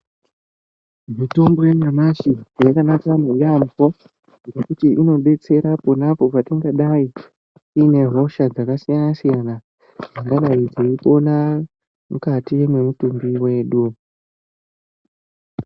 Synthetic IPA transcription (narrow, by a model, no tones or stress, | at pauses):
mito̞mbo̞jeŋamaʃijakanakamejambo̞ | ɾekutiʔino̞ɓe̞t͡se̞ɾapunapo̞patiŋɡaɗai | ine̞ɦo̞ʃad͡zakasijanasijana | d͡zaŋɡaɗaid͡zeipo̞na | mukatiwememutumbiwe̞ːɗu